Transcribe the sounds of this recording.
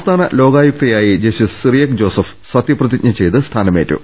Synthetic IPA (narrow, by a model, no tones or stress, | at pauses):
st̪ʰaːnɐlo̞ːɡaːjuk̚t̪ɐjaːjid͡ʑeɕisirjɐkd͡ʑo̞ːsɐf | sɐt̪jɐprɐðik̚ɲɐt͡ɕe̞jt̪ɨst̪ʰaːnɐme̞ːtːṵ